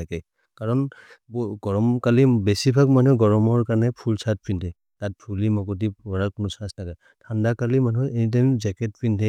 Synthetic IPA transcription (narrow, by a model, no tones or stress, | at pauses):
akɛ | kaɹɔnbɡɔɹɔmkalibesibʱakmanuɡɔɹɔmɔɹkaɹnɛpʰulsat̚pʰɹintɛ | tat̚pʰulimɔkut̬ipɔɹakunɔsãstʰakɛ | tʰandakalimanuenit̬ajmzɛkɛt̚pʰɹintʰɛ